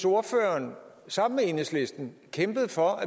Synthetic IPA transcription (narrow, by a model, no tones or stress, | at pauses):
so̝ɐføɐn | sɑ̈m̰n̩meenəsle̝sd̥n̩kʰemb̥əð̞̩ˠfɒ̽æ